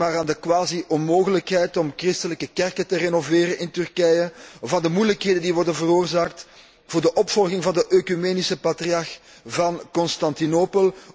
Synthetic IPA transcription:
maːɾaːndəkwaːziʔɔnmoːɣələkɦɛjtɔmkrɪstələkəkɛrkətərenoveːɾəɪntʏrkɛjəɔfaːndəmujləkɦeːdəndiʋɔrdənvəroːrzaːk̚t | v̥ʊːrdəʔɔpfɔlɣɪŋvɑndəʔøkymeːnisəpatriɑrx | vɑnkɔnstɑntinoːpəlˠ

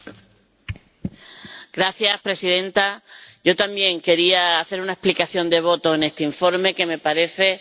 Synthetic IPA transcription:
ɡ̥ɾaθjaspɾe̞sið̞ẽ̞nt̪aɟ͡ʝo̞t̪ambje̞ŋke̞ɾiaːθe̞ɾunaeplikaθjo̞nd̪e̞β̞o̞t̪o̞e̞ne̞st̪eiɱfo̞ɾme̞ke̞me̞paɾe̞θe̞

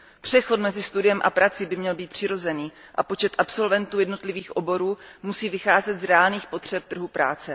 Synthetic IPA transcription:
pr̝̥ɛxo̞t̪mɛzɪst̪udɪjɛmʔa̰pɾat͡sɪbɪmɲɛlbiːt̪pr̝̥ɪɾo̞zɛniː | ʔapo̞t͡ʃɛt̪ʔapso̞lvɛnt̪uːjɛdno̞t̪lɪviːxʔo̞bo̞ɾuːmusiːvɪxaːzɛt̪zɾɛaːlniːxpo̞t̪r̝̥ɛp̚t̪r̩ɦupɾa̰ːt͡sɛ

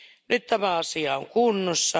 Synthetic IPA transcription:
nyt̪t̪æmæɑsiɑoŋkunːosːɑ

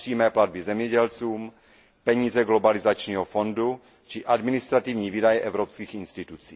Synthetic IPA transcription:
r̥iːmɛːplad̪̚bizɛmɲɛɟɛlt͡suːm | pɛɲiːzɛɡlobalizat͡ʃɲiːɦofo̞ndu | t͡ʃɪʔadmɪnist̪ɾat̪ivɲiːvidajɛʔɛvɾopskiːxinst̪it̪ut͡siː

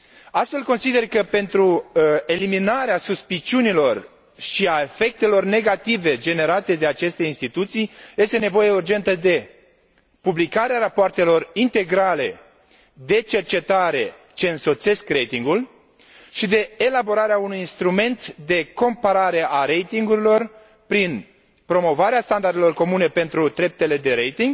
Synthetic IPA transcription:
ast̪fe̞lko̞nsid̪e̞rkəpe̞nt̪ɾue̞liminaɾeasuspit͡ʃiunilo̞r | ʃiaefe̞k̚t̪e̞lo̞rne̞ɡat̪ive̞d͡ʒe̞ne̞ɾat̪e̞d̪e̞at͡ʃe̞st̪e̞inst̪it̪ut̪sijje̞st̪e̞ne̞vo̞je̞urd͡ʒe̞nt̪əd̪e̞ | publikaɾeaɾapoart̪e̞lo̞rint̪e̞ɡɾale̞̰ | d̪e̞t͡ʃe̞rt͡ʃe̞t̪aɾe̞ | t͡ʃe̞ɨnso̞t̪se̞skɾe̞jt̪iŋɡul | ʃid̪e̞elabo̞ɾaɾeaunujinst̪ɾume̞nt̪d̪e̞ko̞mpaɾaɾe̞ʔaɾe̞jt̪iŋɡuɾilo̞r | pɾin | pɾo̞mo̞vaɾeast̪and̪aɾrd̪e̞lo̞rko̞mune̞pe̞nt̪ɾud̪ɾe̞p̚t̪e̞le̞d̪e̞ɾejt̪iŋɡ

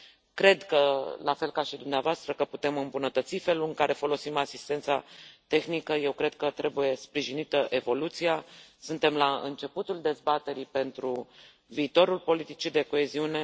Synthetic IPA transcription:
kɾe̞d̪kəlafe̞lkaʃid̪umneavoast̪ɾəkəput̪e̞mɨmbunət̪ət̪sife̞lulɨŋkaɾe̞fo̞lo̞simasist̪e̞nt̪sa̰t̪e̞xnikəje̞wkɾe̞d̪̥̚kət̪ɾe̞buje̞spɾiʒinit̪əʔe̞vo̞lut̪sijasɨnt̪e̞mlaɨ̰nt͡ʃe̞put̪uld̪e̞zbat̪e̞ɾipe̞nt̪ɾu | viːt̪o̞ɾulpo̞lit̪it͡ʃid̪e̞ko̞e̞ziune̞

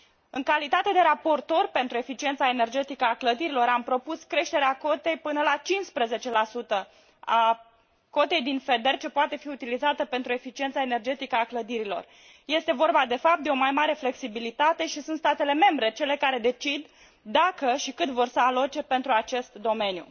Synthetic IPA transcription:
ɨŋkalit̪at̪e̞d̪e̞ɾapo̞rt̪o̞rʲpe̞nt̪ɾue̞fit͡ʃie̞nt̪sae̞ne̞rd͡ʒe̞t̪ikəakləd̪iɾilo̞ɾampɾo̞puskɾe̞ʃt̪eɾeako̞t̪e̞jpɨnəlat͡ʃinspɾeze̞t͡ʃe̞lasut̪ə | a | ko̞t̪e̞jd̪infe̞d̪e̞rt͡ʃe̞poat̪e̞fiut̪ilizat̪əpe̞nt̪ɾue̞fit͡ʃie̞nt̪saene̞rd͡ʒe̞t̪ikəakləd̪iɾilo̞̰r | je̞st̪e̞vo̞rbad̪e̞fap̚t̪d̪e̞o̞majmaɾe̞fle̞ksibilit̪at̪e̞ʃisunt̪st̪at̪e̞le̞me̞mbɾe̞t͡ʃe̞le̞kaɾe̞d̪e̞t͡ʃid̪ː | akəʃikɨt̪vo̞rsəalo̞t͡ʃe̞pe̞nt̪ɾuat͡ʃe̞st̪d̪o̞me̞njṵ

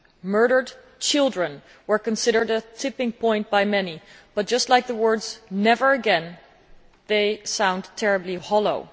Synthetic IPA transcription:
mɜ˞ɾə˞d | t͡ʃʰɪlˠdɹɨ̃n | wə˞kɨ̃nsɪɾə˞ɾɨtʰɪpɪ̃ŋpʰɔ̃ɪ̃n̚b̥aɪmɛnib̥ʌt̚d̥ʒ̥ʌstˡlaɪk̚ðəwɜ˞dz̥nɛvə˞ɨɡɛ̃n | ðeɪsãʊ̃ntʰɛɹɨblihɑlˠoʊ

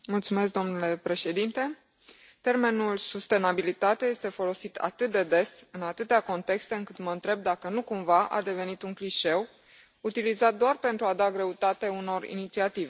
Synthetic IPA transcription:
mult̪sume̞skd̪o̞mnule̞pɾe̞ʃe̞d̪int̪e̞ | t̪e̞rme̞nulsust̪e̞nabilit̪at̪eje̞st̪e̞fo̞lo̞sit̪ʰa̰t̪ɨt̪̚d̪e̞d̪e̞sɨnat̪ɨt̪eako̞nt̪e̞kst̪e̞ɨŋkɨt̪mənt̪ɾe̞b̚d̪akənukumvaʔa̰d̪e̞ve̞nit̪uŋkliʃe̞w | ut̪ilizat̪̚d̪oarpe̞nt̪ɾuad̪aɡɾe̞ut̪at̪euno̞rḭnit̪siat̪ive

